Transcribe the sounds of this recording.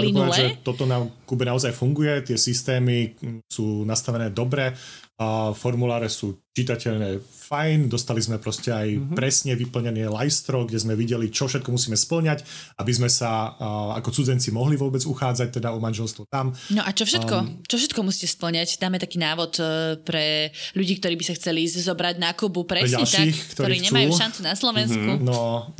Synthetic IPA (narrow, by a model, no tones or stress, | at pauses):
lɔipɔdaʒɛt̪ɔt̪ɔnakubɛnaɔzajfuŋɡujɛt̪ɪɛsist̪ɛːmisuːnast̪aʋɛnɛːd̪ɔbɾɛ | fɔɾmulaːɾɛsuːt͡ʃit̪acɛʎɲɛfajnd̪ɔst̪alizmɛpɾɔscɛajpɾɛsɲɛʋipl̩ɲɛnɪɛlajst̪ɾɔɡɟɛzmɛʋiɟɛlit͡ʃɔfʃɛt̪̚kɔmusiːmɛspl̩ɲacʔabizmɛsaa̰kɔt͡sud͡zɛnt͡simɔɦliʋʊɔbɛd͡zuxaːd͡zac̚t̪ɛd̪aɔmanʒɛlst̪ʋɔt̪amnɔʔat͡ʃɔfʃɛkɔt͡ʃɔfʃ̬ɛt̪kɔmusi̥ːcɛspl̩ɲacd̪aːmɛt̪akiːnaːʋɔt̪pɾɛʎuɟiːkt̪ɔɾiːbisaxt͡sɛlizɔbɾaɟnakubupɾɛɾɛaɲɛlʃaiːxkt̪ɔɾɔiɾiːɲɛmaujuʃant͡sunaslɔʋɛnskunɔ